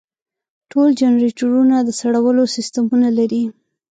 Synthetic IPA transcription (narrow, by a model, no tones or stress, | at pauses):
ʈʰold͡ʒanɾiʈuɾunad̪əsaɽawəlosist̪amunalaɾi